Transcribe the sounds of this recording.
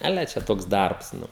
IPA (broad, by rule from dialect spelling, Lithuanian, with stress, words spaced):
ɐˈlʲɛ t͡ʃʲɛ ˈtoːks ˈdɐrps ˈnʊ